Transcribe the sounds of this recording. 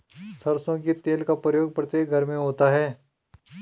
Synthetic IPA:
sɐɾsõket̪eːlkapɾəjoːɡ̚pɐɾt̪eɡʱɐɾmẽɦoːt̪aɦɛː

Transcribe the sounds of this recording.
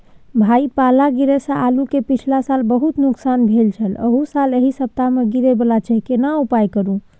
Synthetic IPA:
bʱaipalaɡiɾesə̃ʔalukepit͡ʃʰlasalbəɦut̪nuksanbʱelt͡ʃʰələ̰ɦusaleɦisəp̚t̪ameɡiɾebəlat͡ʃəɦkenaupajkəɾũ

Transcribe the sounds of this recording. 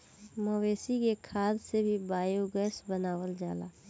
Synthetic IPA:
məweːsikekʰaːd̪sebʱibaːjoɡəsbənaːwəld͡ʒa̰ːla̰ː

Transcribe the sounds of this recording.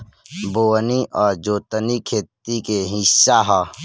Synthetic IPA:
boːniʔɔːɾd͡ʒoːt̪ənikʰeːt̪̚ikeɦɪsːaɦaː

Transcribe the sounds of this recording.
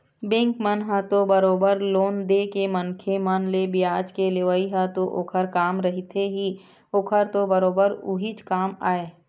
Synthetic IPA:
bẽːŋkmənɦə̃t̪obəɾoːbəɾloːnd̪eːkemənkʰemənlebɪjaːd͡ʒkeleʋəiɦət̪oʔoːkʰəɾkaːmɾɐɦit̪ʰeɦi | oːkʰəɾt̪obəɾoːbəɾuɦit͡ʃkaːma̰ːeː

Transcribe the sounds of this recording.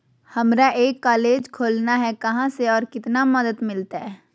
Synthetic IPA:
hɐmɾaʔeːkːaːleːd͡ʒkʰoːlnaɦɛkɐɦãseɔːɾkɪt̪namɐd̪əd̪mɪlt̪aɦɛː

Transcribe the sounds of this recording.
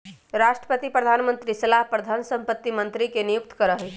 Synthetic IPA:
ɾaʃʈɾə̥pət̪ipɾəd̪ʱanmənt̪ɾisəlaɦpɾəd̪ʱansə̃mpət̪ːimənt̪ɾikenijuk̚t̪kəɾəɦe

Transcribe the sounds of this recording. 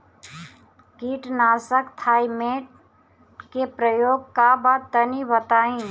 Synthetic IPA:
kiːʈnaːsəkt̪ʰaːimeːʈ | kepɾəjoːɡ̚kabad̪t̪ənibət̪aːĩ

